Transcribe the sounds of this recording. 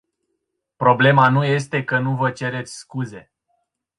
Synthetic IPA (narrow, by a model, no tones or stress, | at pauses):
pɾo̞ble̞manuje̞st̪e̞kənuvət͡ʃe̞ɾe̞t̪sʲskuze̞